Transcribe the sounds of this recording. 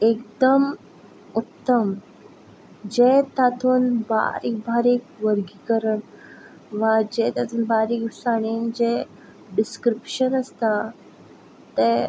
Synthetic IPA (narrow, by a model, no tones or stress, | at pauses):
ek̚d̪əm | ut̪ːəm | d͡ʑet̪at̪ʰuːnba̰ɾik̚bʱaɾikʋəɾɡikəɾəɳ | ʋad͡ʑet̪at̪ʰuːnbaɾiːksaɽ̃ind͡ʑe | ɖiskɾipɕənəst̪a | t̪e